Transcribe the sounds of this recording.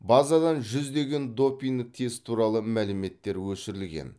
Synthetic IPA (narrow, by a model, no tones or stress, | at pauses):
bɑzɑd̪ɑnʒʏzd̪e̞ɡʲe̞nd̪o̞pʲiŋd̪ət̪ʰezt̪ʰuɾɑlˠəmælɪme̞t̪ːe̞ɾwɵsɪɾɪlɡʲe̞̰n